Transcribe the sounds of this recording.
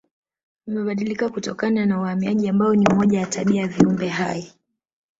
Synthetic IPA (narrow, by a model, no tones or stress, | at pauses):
nimɛɓaɗilikakutɔkananawhamiaʄiambaɔniumɔʄawataɓiaviumbɛɦaji